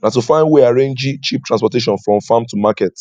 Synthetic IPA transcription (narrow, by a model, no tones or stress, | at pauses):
natufãɪ̃ndweaɹẽnd͡ʒit͡ʃip̚tʰɹãnspɔteʃ̬ɔ̃nfɹɔ̃mfãmtumakɛt